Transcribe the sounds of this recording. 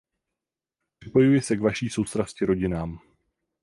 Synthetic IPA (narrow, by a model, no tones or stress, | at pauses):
pr̥ɪpo̞jujɪsɛkvaʃiːso̞wst̪ɾascɪɾo̞ɟɪnaːm